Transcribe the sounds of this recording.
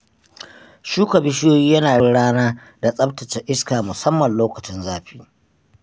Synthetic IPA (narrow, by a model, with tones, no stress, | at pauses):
ʃuː˦kʷɐ˨bɪ˦ʃɪ˦joː˦jiː˦jɐ˦naː˨ɽɪ˦ɽaː˦naː˦ | da˨sʼɐ˦btɐ˨t͡ʃɛ˦ʔɪ˦skaː˨mʊ˨sɐ˦mːɐ˨nloː˦kɐ˨t͡ʃɪ˦nzaː˦ɸi̥ː˦